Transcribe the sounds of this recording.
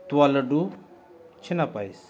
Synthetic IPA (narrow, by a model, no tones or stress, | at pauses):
t̪uwaləɖu | t͡ʃʰinapais